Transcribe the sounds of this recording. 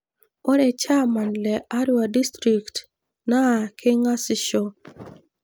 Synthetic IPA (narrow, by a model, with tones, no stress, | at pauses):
o˦ɾɛ˨t͡ʃa˦ma˨nlɛ˨ʔa˦ɾu˦a˨di˦stɾi˨kt | na˦˨kʰe˦ŋa˦sɪ˨ʃɔ˦